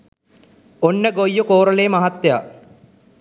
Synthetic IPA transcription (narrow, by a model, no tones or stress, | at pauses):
onːəɡojːukoːɾəleːmaɦat̪ːja